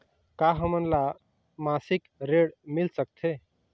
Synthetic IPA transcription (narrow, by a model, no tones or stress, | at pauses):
kaɦəmənla | masikɾeɽmilsək̚t̪ʰe